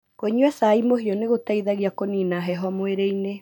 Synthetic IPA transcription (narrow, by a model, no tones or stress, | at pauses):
koɲwɛsaimoɦiɔneɣotaiðaɣiakoniːnaɦɛɦɔmweɾeine